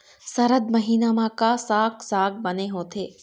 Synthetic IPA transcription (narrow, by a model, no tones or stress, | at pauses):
sɐɾəd̪mɐɦiːnamãkasaːksaːɡ̚bɐneɦõːt̪ʰeː